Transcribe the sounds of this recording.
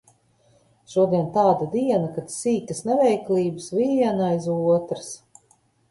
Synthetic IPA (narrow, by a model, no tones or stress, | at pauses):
ʃuɔd̪iɛnt̪aːd̪ad̪iɛnakat̪siːt̪əsnɛvɛjkliːbɨsviɛnajzuɔt̪ɾɨs